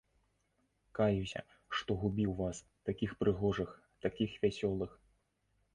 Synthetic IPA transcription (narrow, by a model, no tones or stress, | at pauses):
kajusʲɐ̰ | ʂt̪ɔɣubʲiwvas | t̪akʲixpɾɨɣɔʐɨx | t̪akʲixvʲasʲɔlˠɨx